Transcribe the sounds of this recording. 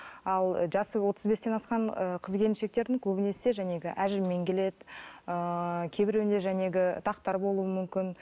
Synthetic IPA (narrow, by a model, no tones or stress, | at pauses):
ɑlˠʒɑsəwo̞t̪ʰəzbe̞st̪enɑsqɑɴəqʰəzkʲʰe̞lmʃe̞k̚t̪e̞ɾd̪ɪŋkʲʰɵbɪne̞se̞ʒæne̞ɡʲɪʔæʒɪmːe̞ŋkʲe̞le̞d̪ɪəkʲʰe̞jbɪɾend̪e̞ʒæne̞ɡʲɪt̪ʰɑqt̪ɑɾbo̞lˠuəmʏmkʲɪn